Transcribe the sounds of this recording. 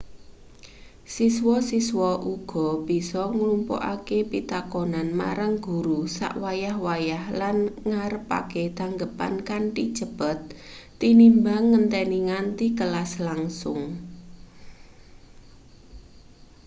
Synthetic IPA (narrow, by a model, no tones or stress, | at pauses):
siswɔsiswɔʔuɡ̥ɔ̤b̥i̤sɔŋlumpo̰ʔa̰kepit̪akonanma̰ɾaŋɡ̥ṳɾusa̰ʔwajahwajahlanŋaɾəpa̰ket̪aŋɡəpa̰nkanʈi̥t͡ʃə̤b̥ə̤t̪ː | inimbaŋːənt̪ɛniŋant̪ikəlaslaŋsʊŋ